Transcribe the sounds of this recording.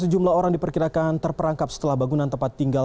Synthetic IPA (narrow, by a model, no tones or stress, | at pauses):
səd͡ʒumlahoɾaŋdipərkiɾakant̪ərpəɾaŋkap̚sə̥t̪əlahbaɡunant̪əmpat̪ːiŋɡa